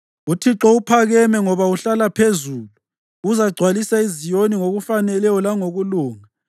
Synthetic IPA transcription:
utʰiǁɔupʰaɣɛmɛŋɔβauɬalapʰezuːlu | uzaɡ͡ǀʱwalisaizijoniŋoɣufanɛlɛjɔlaŋoɣuluːŋa

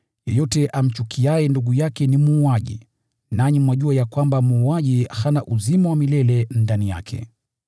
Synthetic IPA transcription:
jɛjɔtɛʔam̩t͡ʃukʰiajɛnduɠujakɛnimuːaʄḭ | naɲimwaʄuajakwambamuːaʄihanaʔuzimawamilɛlɛndanija̰kʰɛ̰

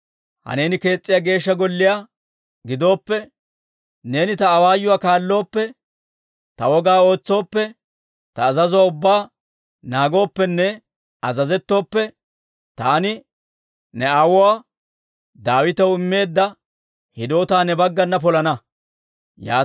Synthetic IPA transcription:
hɐ̰ne̞ːnɪke̞ːt͡sʼːɪjaːɡe̞ːʃːɐɡɔlːɪjaː | ɡɪd̪o̞ːpːɛ | ne̞ːnɪt̪ɐːwaːjːʊwaːkaːlːo̞ːpːɛ | t̪ɐwɔɡaːo̞ːt͡sːo̞ːpːɛ | t̪ɐːzɐzʊwaːʊbːaː | naːɡo̞ːpːɛnːɛ | ɐzɐzɛt̪ːo̞ːpːɛ | t̪aːnɪ | nɛɐwɔwaː | d̪aːwɪt̪ɐwɪmːe̞ːd̪ːɐ | hɪd̪o̞ːt̪aːnɛbɐɡːɐnːɐp̬ɔlɐnɐ | ja̰ː

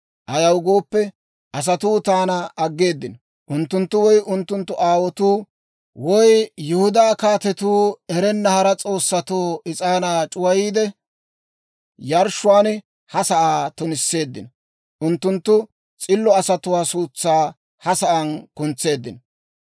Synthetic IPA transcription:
ʔɐjɐwɡo̞ːpːɛ | ʔɐs̬ɐt̪uːt̪aːnɐːɡːe̞ːd̪ːɪnɔ | ʔʊnt̪ːʊnt̪ːʊwɔjʔʊnt̪ːʊnt̪ːʊʔaːwɔt̪uː | wɔjjʊhʊd̪aːkaːt̪ɛt̪uːɛɾɛnːɐhɐɾɐt͡sʼo̞ːsːɐt̪oːɪt͡sʼaːnaːt͡ʃʼʊwɐjiːd̪ɛ | jɐɾʃʊwaːn | hɐsɐʔaːt̪ʊnɪsːe̞ːd̪ːɪnɔ | ʔʊnt̪ːʊnt̪ːʊ | t͡sʼɪlːɔɐsɐt̪ʊwaːsuːt͡sːaː | hɐsɐʔɐnkʊnt͡sːe̞ːd̪ːɪnɔ

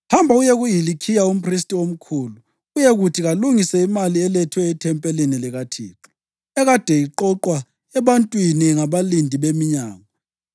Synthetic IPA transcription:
hambʱaujeɣujilikʰijaum̩pʰristʼiom̩kʰuːlu | ujɛɣutʰiɣaluŋisɛimaliɛlɛtʰwɛitʰɛmpʼɛlinilɛɣatʰḭːǁɔ̥ | ɛɣad̥ʱɛiǃɔǃwa | ɛβantʼwiniŋaβalindʱiβemiɲaːŋa

